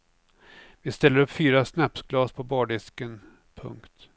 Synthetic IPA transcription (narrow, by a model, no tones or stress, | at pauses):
vɪst̪ɛlːəɾɵpːfyːɾasnapsɡlɑːspʰɔbɑːɖɪskən | pʰɵ̰ŋkt̪